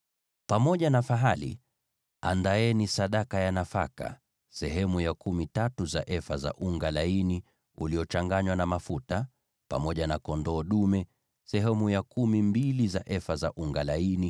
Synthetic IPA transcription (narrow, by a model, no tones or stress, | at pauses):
pamɔʄanafaɦalḭ | andaɛnisaɗakajanafa̰ka̰ | sɛɦɛmujakumitatuzaʔɛfaza̰ʔuŋɡalaini | uliɔt͡ʃaŋɡaɲwanamafuta | pa̰mɔʄanakɔndɔːɗumɛ | sɛɦɛmujakumimbilizaʔɛfaza̰ʔuŋɡalaini